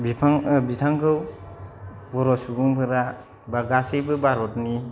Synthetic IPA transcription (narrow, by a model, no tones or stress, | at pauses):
bipʰaŋbitʰaŋkʰɯw | bɔɾɔsuɡɯŋpʰɯɾa | baɡasebɯbaɾɔtni